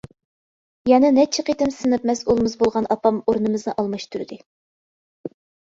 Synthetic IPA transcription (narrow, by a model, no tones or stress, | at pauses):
jɛnɨnɛt͡ʃʰɪqʰet̪ɪmsɨnɨpmɛsolˠmɨzbolˠʁɑnɑpʰɑmoɾnɨmɨznɨʔɑlˠmɑʃt̪ʰuɾɨd̪ɨ